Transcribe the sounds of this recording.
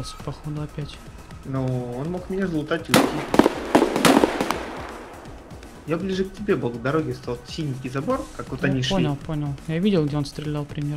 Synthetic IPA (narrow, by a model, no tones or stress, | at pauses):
lˠsʲə̥pɐxo̞d̪ʊɐpʲætʲ | noonmo̞kmʲɪnʲazlˠʊt̪atʲɪutʲːi | jablʲiʐɨk̚tʲɪbʲe̞bɨlˠvd̪ɐɾo̞ɡʲɪst̪ot̪sʲilʲnʲɪkʲijzɐbo̞rkakvot̪ɐnʲiʂponʲəlˠpo̞nʲəlˠjavʲidʲɪlˠɡdʲeonst̪ɾʲɪlʲalˠpɾʲɪmʲjeɾ